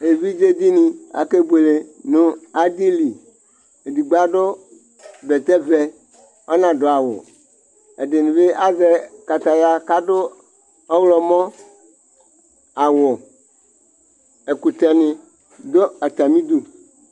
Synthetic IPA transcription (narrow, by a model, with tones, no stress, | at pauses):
e˨vi˦d͡ʒe˦d̪i˦nĩ˨a̰˨ke˦bu˦e˨le˨nʊ̃˦a˦d̪i˦li˨ | e˨di˨ɡ͡ba˦ɖʊ˦ | bɛ˨t̪ɛ˦vɛ˨ | ɔ˦nã˨dʊ˨a˨wʊ̰˨ | e˨dɪ˨nɪ̃˨be˦ʔa˦zɛ˨ka˨t̪a˨da˦ka˦dʊ˦ | ɔ˦wlɔ˨mɔ̃˦ | a˨wʊ˨ | e˨ku˨t̪ɛ˨nɪ̃˨ | d̪o˦a˨t̪a˨mĩ˦d̪u˦